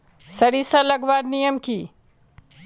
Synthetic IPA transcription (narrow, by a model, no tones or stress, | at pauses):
sɐɾisãlɐɡʋaːɽnijəmkiː